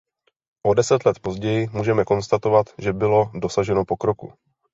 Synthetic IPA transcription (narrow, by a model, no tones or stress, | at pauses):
ʔo̞dɛsɛt̪lɛt̪po̞zɟɛjɪmuːʒɛmɛko̞nst̪at̪o̞vat̪ʒɛbɪlo̞do̞saʒɛno̞po̞kɾo̞kṵ